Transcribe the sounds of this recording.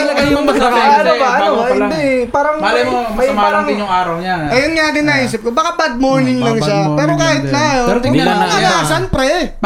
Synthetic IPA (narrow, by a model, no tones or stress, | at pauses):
ɐlɐɡajʊɐɐnobaʔɐohɪd̪ɛpaːɾɐŋmɐimaːɐŋɪʊŋaːɾɐwɲaʔɐjɐnɲad̪ɪnɐʔiːs̬ɪp̚kobakabɐd̪̚moɹnɪŋlɐŋʃapɛːɾokaːhɪt̪̚najoɾɐɐasɐnpɾɛ